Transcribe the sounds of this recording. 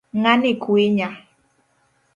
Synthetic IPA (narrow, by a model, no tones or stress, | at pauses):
ŋanɪkweɲa